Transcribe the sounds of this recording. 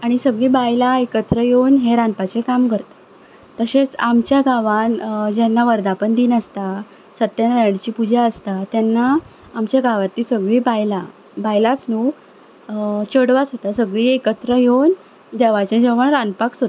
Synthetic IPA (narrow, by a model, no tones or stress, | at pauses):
aɽ̃isəɡɭiːbajlaekət̪ɾəjownɦẽɾãnpat͡sekamkəɾt̪ḁ | t̪əɕẽt͡samt͡ɕjaɡaʋand͡ʑɛnːaʋəɾd̪apəɳd̪iːnəst̪a | sət̪ːjanʋeɽt͡ɕiːpud͡ʑaəst̪at̪jɛnːaː | mt͡ɕjaɡaʋat̪ːiːsəɡɭiːbajla | bajlat͡snu | t͡ɕəɽʋat͡sɦot̪asəɡɭiːekət̪ɾəjewn | d̪ɛʋat͡ɕẽd͡zəʋəɳɾanpaksɦot̪ḁ